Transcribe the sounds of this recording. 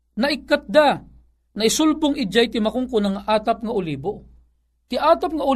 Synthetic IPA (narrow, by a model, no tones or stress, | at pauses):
nɐʔɪkːat̪̚d̪a | nɐɪsʊlbʊŋɪd͡ʒajt̪ɪmakʊŋkʊnaŋaʔaːt̪ap̚ŋaʊliːbo | t̪ɪʔaːt̪ap̚ŋaʊ